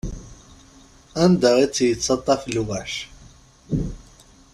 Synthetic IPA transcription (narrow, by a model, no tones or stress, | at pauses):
ænd̪æit͡sːjət͡sːɑt̪ˤːɑflwæʃ